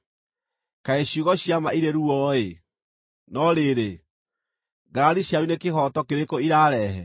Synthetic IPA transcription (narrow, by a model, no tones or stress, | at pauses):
kaeɕuɣɔɕjamaiɾeɾuɔe | nɔɾeɾe | ɡaɾaɾiɕjaɾunekehɔtɔkeɾekoiɾaɾɛɦɛ